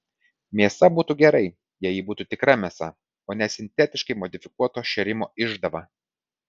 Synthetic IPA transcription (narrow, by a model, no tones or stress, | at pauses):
mʲiɛsɐbuːt̪uːɡʲɛɾɐɪ | jɛjiːbuːt̪uːt̪ʲɪkɾɐmʲɛsɐ | oːnʲɛsʲɪnʲt̪ʲɛt̪ʲɪʃkɐɪmɔd̪ʲɪfʲɪkuɔt̪oːʃʲɛɾʲɪmoːɪʒd̪ɐʋɐ